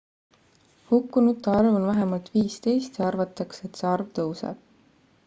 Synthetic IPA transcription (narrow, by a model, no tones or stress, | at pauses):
hukːunut̪ːˑɑɑrvulvæɦɛmɑlt̪viːst̪e̞jst̪jɑɑrvɑt̪ːˑɑkse̞t̪seɑrvt̪ɤwsḛb̥̚